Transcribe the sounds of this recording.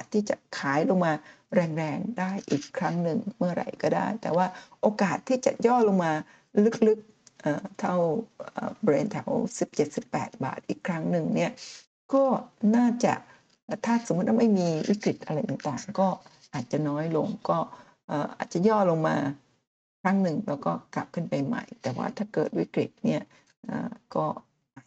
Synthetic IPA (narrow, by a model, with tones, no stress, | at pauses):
t̪ʰːiː˥˩t͡ɕa̰˨˩kʰaː˩˦jlo˧ŋmaː˧ | ɾɛː˧ŋɾɛː˧ŋdaː˥˩jʔiː˨˩kʰːɾa˦˥ŋnɯ˨ŋmɯ˥˩ɐɾa̰˧˩jkɔː˥˩da̰ː˥˩jt̪ɛː˨˩waː˥˩ʔoː˧kaː˨˩t̪ʰːiː˥˩t͡ɕa̰˨˩ʔjɔː˥˩lo˧ŋmaː˧ | lɯ˦˥k̚lɯ˦˥k̚ | ʔəː˨˩t̪ʰa˥˩wʔəː˨˩be˧nt̪ʰɛ˩˦wsi˨˩p̚t͡ɕe˨˩t̪̚si˨˩pːɛː˨˩t̪̚ba̰ː˨˩t̪̚ʔiː˨˩kʰːɾa˦˥ŋnɯ˨˩ŋni˥˩ɐ | kɔː˥˩naː˥˩t͡ɕa̰˨˩ʔ | ʔːt̪ʰaː˥˩so˨˦mː˦˥t̪̚wa˥˧ma˥˩jmiː˧wḭ˦˥˩kɾi˨˩t̪̚ʔa˧ɾa˧jt̪aː˨˩ŋt̪aː˨˩ŋkɔː˥˩ | ʔaː˨˩t̪̚t͡ɕa˨˩ʔnɔː˦˥jlo˧ŋkɔː˥˩ | ʔɤː˨˩ʔa̰ː˨˩t̪̚t͡ɕa˨˩jɔː˥˩lo˧ŋmaː˧ | kʰɾa˦˥ŋnɯ˨˩ŋlɛː˦˥wkɔː˥˩ka˨˩p̚kʰɯ˥˩npa˧jma̰˧˩jt̪ɛː˨˩wa̰ː˥˩t̪ʰaː˥˩kɤː˨˩t̪̚wḭ˦˥kɾi˨˩t̪̚ni˥˩ɐ | ʔə̰ː˨˩kɔː˥˩ | aː˨˩